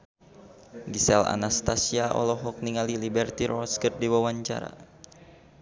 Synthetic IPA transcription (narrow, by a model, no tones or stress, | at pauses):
ɡisɛla̰nast̪asiaʔɔ̰lɔɦɔk̚niŋalilibɛrt̪iɾɔskət̪̚diwawaɲt͡ʃa̰ɾa̰